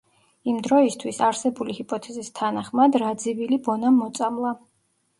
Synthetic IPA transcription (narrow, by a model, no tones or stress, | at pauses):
imd̪ɾɔist̪ʰwisaɾsɛbulihipʼɔt̪ʰɛzist̪ʰanaχmad̪ɾad̪zivilibɔnamːɔt̪sʼamlˠa